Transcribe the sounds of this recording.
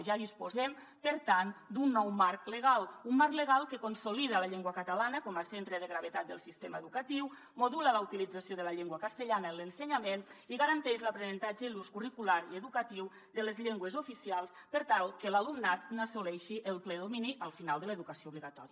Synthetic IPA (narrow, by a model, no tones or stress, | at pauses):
ʒaðispozɛm | pəɾt̪and̪unːɔwmaɾkləɣalˠumːaɾkleɣalˠkəkonsoliðəlaʎeŋɡwəkət̪əlanəkɔməsent̪ɾəðəɣɾaβ̞et̪at̪̚d̪əlˠsist̪eməeðukət̪iw | moðulələut̪ilid͡zasjoðəlaʎeŋɡwəkəst̪əʎanəenlənsəɲameniɣaɾənt̪ɛʃləpɾenənt̪ad͡ʒəluskurikulaɾiəðukət̪iw | d̪ələzʎeŋɡwəzufisialˠs | pəɾt̪alˠkəlalumnat̪̚nəsolɛʃiʔəlˠplɛðominiʔəlˠfinalˠd̪ələðukəsioβliɣat̪ɔ̰ɾiə